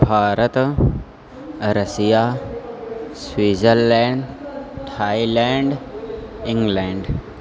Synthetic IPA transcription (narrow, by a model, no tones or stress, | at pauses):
bʱaːɾət̪ | ɾəsija | sʋiːzəɾlɛ̃ːɳɖʈʰaːilɛːɳɖ | ĩŋɡlɛ̃ːɳɖ